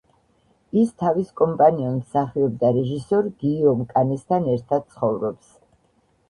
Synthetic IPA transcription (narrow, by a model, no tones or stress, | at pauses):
ist̪ʰaviskʼɔmpʼaniɔmmsaχiɔb̚d̪aɾɛʒisɔɾɡiɔmkʼanɛst̪ʰanɛɾt̪ʰad̪̥̚t̪sʰχɔvɾɔps